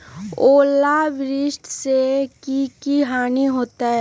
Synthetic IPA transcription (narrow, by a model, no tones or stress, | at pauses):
oːlaʋɪɾɪʃʈ̪ʰsekikiɦaːniɦoːt̪aɦɛ